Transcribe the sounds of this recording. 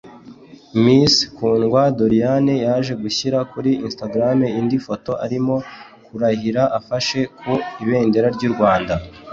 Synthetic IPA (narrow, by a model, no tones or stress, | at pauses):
miskuːnɡwadoɾijanejaːʒe̞ɡuçiɾakuɾiːnstaɡɾameindifo̞to̞ʔaɾimo̞ | kuɾahiɾaʔafaʃe̞kʰuiβe̞ːnde̞ɾaɾɟuɾɡwaːnda